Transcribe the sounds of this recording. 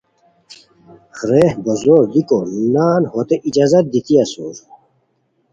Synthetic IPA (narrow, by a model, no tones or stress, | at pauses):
xɾeːhbozoːɾd̪ikonaːnhot̪eʔid͡ʑaːzɐt̪̚d̪it̪ʰijasoːɾ